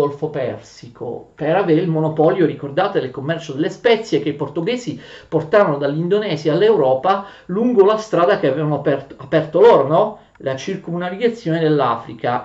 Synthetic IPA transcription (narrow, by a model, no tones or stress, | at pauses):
olfopɛrsikʰo̰peɾaveːɾeilmonopɔljoɾikord̪aːt̪ed̪elkomːɛrt͡ʃod̪elːespɛt̪sːjek̟eiport̪uɡɛːziport̪aːɾanod̪alːind̪onɛːziaːlːewɾɔːpaluŋɡolast̪ɾaːd̪akeavɛvanoapɛrt̪apɛrt̪oloːɾonɔ | lat͡ʃirkunaviɡat̪sːjoːned̪elːafɾika